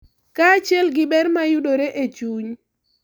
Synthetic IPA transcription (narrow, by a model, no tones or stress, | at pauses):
kaːt͡ʃɪɛlɡɪbɛrmajʊdoɾeʔet͡ʃuɲ